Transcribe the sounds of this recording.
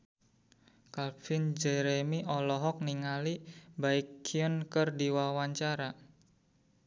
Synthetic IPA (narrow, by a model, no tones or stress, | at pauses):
kalfind͡ʒɛɾemiʔɔlɔɦɔk̚niŋalibaɪkʰːiɔnkərdiwawaɲt͡ʃaɾa